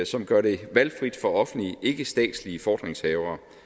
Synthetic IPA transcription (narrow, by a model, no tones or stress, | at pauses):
sɒ̽mɡ̥ɶɐɾe̝ʋælfʁid̥fɒ̽ɒ̽fn̩liəʔe̝ɡ̥əsd̥ɛ̰ːd̥sliəfɒːd̥ʁeŋshɛːʊɐː